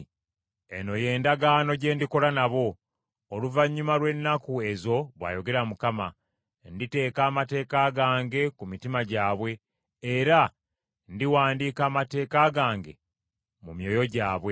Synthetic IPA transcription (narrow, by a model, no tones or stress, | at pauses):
ḛno̞je̞ːndaɡaːno̞ɟe̞ːndiko̞lanaβo̞ː | luvaɲːumalwe̞nːakue̞zo̞βwa̰ːjo̞ɡe̞ɾamukama | ndite̞ːkaːmate̞ːkaːɡaːŋɡe̞kumitimaɟaːβwe̞ː | ɾa | ndiwaːndiːkaːmate̞ːkaːɡaːŋɡe | mumjo̞ːjo̞ɟaːβwe̞